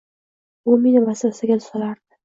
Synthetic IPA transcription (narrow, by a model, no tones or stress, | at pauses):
ʊminɪvasasɪɡʲad̪ʰʊ̥salaɾd̪ɪ̥